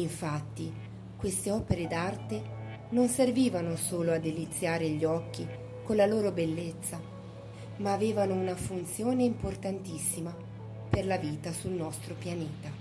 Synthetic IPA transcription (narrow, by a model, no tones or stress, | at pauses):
iɱfat̪ːi | kwest̪eɔːpeɾed̪art̪e | nonserviːvanosoːload̪ːelit̪sːjaːɾeʎːiɔkːi | konlːaloːɾobelːet̪sːa | maːveːvanounafunt̪sjoːneimport̪ant̪isːima | perlaviːt̪asulnɔst̪ɾopjaneːt̪a